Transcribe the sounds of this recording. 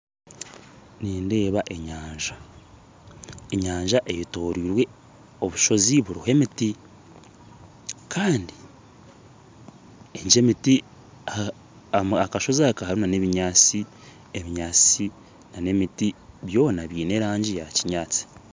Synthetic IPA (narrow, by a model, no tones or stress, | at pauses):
niːnde̞ːβaʔe̞ɲaːɲʒa | eɲaːɲʒaʔe̞jito̞ːɾiːɾwe̞ | o̞βuʃo̞ziβuɾihe̞miti | kʰaːndi | eɲd͡ʒe̞miti | akaʃo̞zakahaɾunane̞βiɲaːt͡si | eβiɲaːt͡si | nane̞mitiβjo̞ːnaβiːne̞ɾaːɲɟijaciɲaːt͡si̥